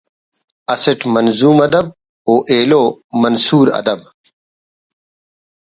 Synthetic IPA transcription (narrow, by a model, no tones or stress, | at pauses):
ɐsiʈmɐnzuːmɐd̪ɐb̚ | oːʔeːloːmɐnsuːɾɐ̰d̪ɐb